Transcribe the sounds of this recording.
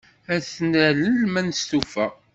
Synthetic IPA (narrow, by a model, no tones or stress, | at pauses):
æθnæləlmænst̪ufæ